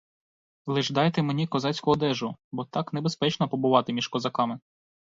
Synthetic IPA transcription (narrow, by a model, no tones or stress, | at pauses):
lˠɪʒd̪ɑjt̪emenʲikɔzɑt͡sʲkɔɔd̪ɛʒʊbɔt̪ɑknebespɛt͡ʃnɔpɔbʊʋɑt̪ɪmʲiʃkɔzɐkɑmɪ